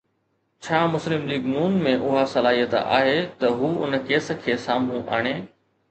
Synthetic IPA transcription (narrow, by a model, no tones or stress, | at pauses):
t͡ɕʰaːmʊslɪmliːɡnuːnmẽʔʊɦasɐlaːɦijət̪a̰ːɦet̪ɐɦuːʊ̰nkeːsə̆kʰeːsaːmũʔa̰ːɽ̃eː